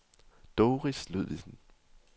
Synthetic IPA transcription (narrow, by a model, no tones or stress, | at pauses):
d̥oːʁisluð̰ˠʋisən̩